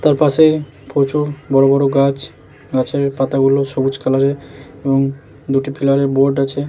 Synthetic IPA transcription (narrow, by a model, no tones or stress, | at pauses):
t̪aɾpaʃe | pʰot͡ɕuɾbɔɾobɔɾoɡat͡ɕ | ɡat͡ɕeɾpat̪aɡuloʃobud͡ʑkʰalaɾeɾeboŋ | d̪uʈipʰilaɾeɾboɾɖat͡ɕʰe